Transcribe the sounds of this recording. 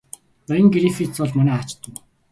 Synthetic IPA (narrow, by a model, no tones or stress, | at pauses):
nœjə̆ŋɡiɾifit͡sɔɮmɔnæːat͡ɕt̪ːə̆